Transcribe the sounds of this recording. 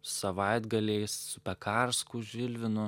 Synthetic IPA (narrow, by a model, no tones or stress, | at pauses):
sɐʋɐɪd̪ɡɐlʲeɪssʊpʲɛkʰɑɾskʊʒʲʋʲɪlʲʋʲɪnʊ